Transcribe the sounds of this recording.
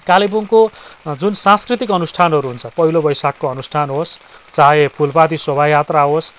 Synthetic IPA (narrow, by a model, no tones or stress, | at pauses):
kalibuŋkod͡zunsãskrit̪ik̬ʌnusʈʰanʌɾuɦunt͡sʰʌpʌɦilobʌjsakːoʌnusʈʰanɦost͡saepʰulpad̪iswʌbʱajat̪raɦos